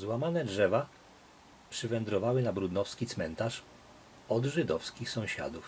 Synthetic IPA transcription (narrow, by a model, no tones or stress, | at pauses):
zwamanɛdʐɛva | pʂɘvɛnd̪ɾɔvawɘnabɾud̪nɔfskʲit̪smɛnt̪aʂ | ɔd̪ʐɘd̪ɔfskʲixsɔ̃w̃ɕa̰d̪uf